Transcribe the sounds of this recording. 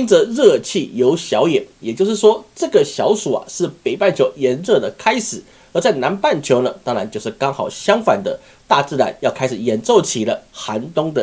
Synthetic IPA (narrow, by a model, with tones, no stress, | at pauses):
i˥nt͡sə˧˦ɻɤ˥˧t͡ɕʰi˥˩jo˧˥ʊɕjɑ˧˥ʊjɛ˨˩njɛ˨˩t͡ɕjo˥˧ʊʂɻ̩˥˩ʂwɔ˥ʈ͡ʂɤ˥˩ɡə˨˩ɕjɑ˧˥ʊsu˨˩a̰˩ʂɻ̩˥˩pe˨˩ɪpa˥˩nt͡ɕʰjo˧˥ʊjɛ˧˥nɻɤ˥˩d̪ə˩kʰa˥ɪʂɻ̩˨˩˦ | ə˧˥t͡sa˥˩ɪna˧˦npa˥˩nt͡ɕʰjo˧˥ʊnə˧t̪ɑ˥ŋɻa˧˦nt͡ɕo˥˧ʊʂɻ̩˥˩kɑ˥ŋxɑ˨˩ʊɕjɑ˥ŋfa̰˨˩nd̪ə˦ | t̪a˥˧t͡sɹ̩˥˩la̰˧˥njɑ˥˩ʊkʰa˥ɪʂɻ̩˨˩jɛ˧˥nt͡so˥˩ʊt͡ɕʰi˨˩lə˦xa˧˦˥nt̪ʊ˥ŋd̪ə˧